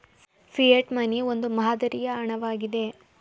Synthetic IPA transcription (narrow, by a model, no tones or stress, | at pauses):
fijeʈmɐniond̪umɐɦad̪ɐɾijɐːɳɐʋaːɡid̪e̞